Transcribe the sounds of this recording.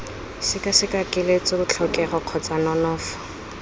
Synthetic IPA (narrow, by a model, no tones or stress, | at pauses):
sɪkasɪkakʼɪlet͡sʊʊt͡ɬʰɔkʼɛɣɔq͡χʰɔt͡sʼanɔnɔːfɔ̥